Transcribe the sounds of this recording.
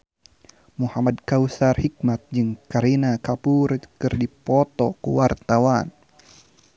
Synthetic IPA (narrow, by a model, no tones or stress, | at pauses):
muhamadkausarhik̚mat̪̚d͡ʒɨŋkaɾinakapuɾkɨrdipɔt̪ɔkṵwart̪awan